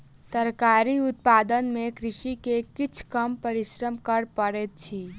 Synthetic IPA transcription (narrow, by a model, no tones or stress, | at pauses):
t̪əɾkaɾiʊt̪̚paːd̪ənmẽkɾɪʃikekɪt͡ʃʰkəmpəɾɪʃɾəmkəɾpəɾet̪̚t͡ʃʰi